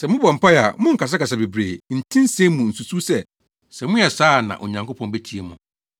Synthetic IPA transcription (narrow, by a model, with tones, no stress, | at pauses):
sɛ˨mʊ̃˦bɔ˨m̩˨pʰa˦ja̰˨mʊ̃˦ŋ̩˨kʰa˨s̬a˦ka˨s̬a˨be˨bɾeː˨n̩˨tʰĩ˦n˦se˦mũ˨n̩˨su˨su˦sɛ˦ | sɛ˨mʊ̃˦jɛ˨saː˦˨nã̰˨ʔo̰˨ɲã˨ŋko˦pʰɔ̃˦nbe˦tʰi˦e˦mʊ̃˨